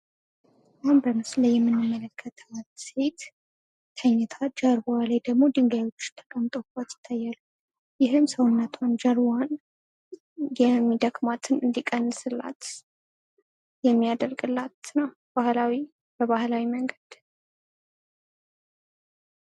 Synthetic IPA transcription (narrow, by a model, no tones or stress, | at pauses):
ʔambəmɨslajːɛmːɨnːɨmːələkʰːət̪ʰət̪se̞t̪ | t̪ʰəɲːɛt̪ʰad͡ʒaɾbalajd̪əɡmo̞d̪ɨŋɡajwot͡ʃːɪ̥t̪ʰə̥kʼəmt̪ʼofat̪jɪt̪ʰːajːalu | jɪɦɨmsəwɨnːət̪ʰwand͡ʒaɾban | jɛmːid̪əkʼmat̪ʰɨnɨnd̪ikʼənːɨsɨlːa̰t̪ | jɛmːijad̪əɾɡɨlːat̪nəw | b̥ahlawi | bəβahlawiməŋɡəd̪̥